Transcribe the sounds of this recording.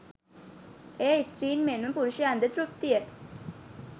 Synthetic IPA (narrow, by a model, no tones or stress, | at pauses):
eːisʈɾiːnmenʋəpuɾuʃiəand̪ət̪ɾup̚t̪iə